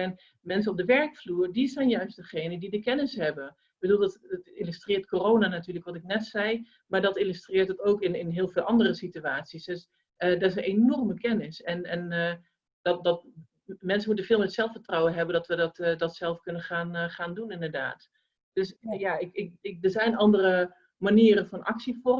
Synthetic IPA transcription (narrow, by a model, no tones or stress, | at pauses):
ɛn | mɛns̬ənɔb̚dəʋɛɹkfluːɹdizɛjnjœɥst̚d̥əχejnədidəkɛnɪsɦɛbən | b̥əduːlˠdttilystrɪːɹtkorownanatyːələkʋɔtɪk̚nɛtsɛj | maːɹdɑtɪlystrɪːɹtətowkɪnɪnɦɪːlˠvɪːlˠɑndərəsityaːtsisdøs | ʔədɛrɪs̬nʔenɔrməkɛnɪsɛnɛn | dɔdɔt̚ | mɛnsəmutənfɪːlˠmɛtsɛlˠfətrɔwənɦɛbəndɔtʋədɔtdɔtsɛlˠfkønənχaːnχaːndunɪndərda̰ːt | d̥øsjaɪkɪkɪk̚dərzɛjnɑndərə | maniəɾənfɔnʔɑ̰ksifɔ